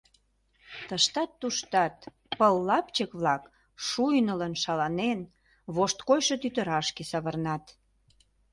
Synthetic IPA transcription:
t̪əʃt̪ɑt̪ːuʃt̪ɑt̪ | pəlːɑpt͡ɕəkβlɑk | ʃujnələnʃɑlɑnen | βoʃt̪kojʃə̆t̪yt̪ə̆ɾɑʃkesɑβərnɑt̪

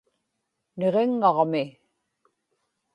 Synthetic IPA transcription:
ne̞ʁe̞ŋːɑʁmɪ

